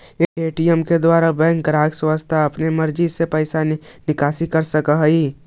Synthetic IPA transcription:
eːʈijəmked̪waːɾabɛ̃ːŋkɡɾaːkswast̪ʰaɐpnemɐɾd͡ʒisepɐːɪsanɪkaːsikɐɾsɐkəɦi

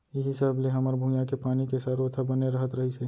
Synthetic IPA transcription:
jeɦɪsaːbleɦɐməɾbʱũːjãkepaːnikesaːɾoːt̪ʰabəneɾəɦət̪ɾəɦise

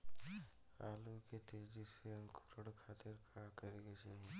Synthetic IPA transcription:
aːluket̪ed͡ʒiseɐ̃ŋkʰuɾəɽkʰaːt̪ɪɾkʰaːkəɾeɡet͡ʃʰeɦ

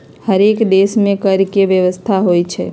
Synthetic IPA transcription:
həɾekd̪esmẽkəɾkeʋjəʋəst̪ʰaɦoit͡ʃʰḛ

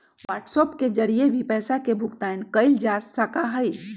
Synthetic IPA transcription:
ʋaːɾʈsɔːpked͡ʒəɾijebʱipɛːsakebʱukt̪aɪnkəɪld͡ʒassəkaɦəj

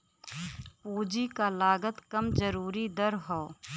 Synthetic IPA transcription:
puːd͡ʒikalaːɡət̪kɐmd͡ʒəɾuːɾid̪əɾɦoː

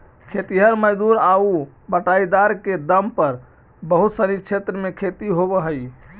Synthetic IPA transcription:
kʰet̪iɦəɾməd͡ʒd̪uɾau | bəʈaid̪aɾked̪əmpəɾ | bəɦut̪səɾit͡ʃʰet̪ɾəmekʰet̪iɦobəɦəj

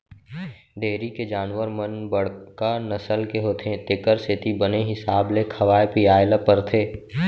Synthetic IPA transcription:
ɖeːɾiked͡ʒaːnʋəɾmənbəɽ̤kanɐsəlkeɦoːt̪ʰẽt̪ɪkəɾset̪ibəneɦɪsaːblekʰɐʋaːepiaːɪlapəɾt̪ʰeː

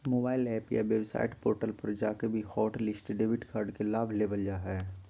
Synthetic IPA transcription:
moːbaːɪlɛːpja̰ʋebsa̰ːjɪʈpo̰ːɾʈəlpɐɾd͡ʒaːkebʱihɔːʈlɪsʈɖeːbɪʈkʰaːɾɖkelaːbʱleːbəld͡ʒaɦɛː

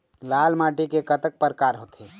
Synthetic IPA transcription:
laːlmaːʈikekət̪ək̚pəɾkaːɾɦoːt̪e

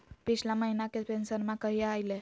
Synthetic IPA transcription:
pit͡ɕʰlaməɦinakepensəɾmãkəɦieajle

